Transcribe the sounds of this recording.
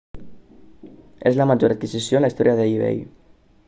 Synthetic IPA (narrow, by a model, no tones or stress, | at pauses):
e̞zlamaʝoɾat̪̚kisisjonlaist̪o̞ɾjaðeiβḛj